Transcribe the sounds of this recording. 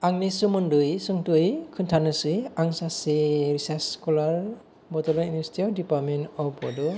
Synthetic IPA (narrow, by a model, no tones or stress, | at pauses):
aŋnisumɯndɯjsɯŋtujkʰɯntʰanɯsɯjaŋsaseɾisaskɔlaɾ | bɔtɔlɔiniɛstʰiɔwdipaɾmentɔpɔdɔ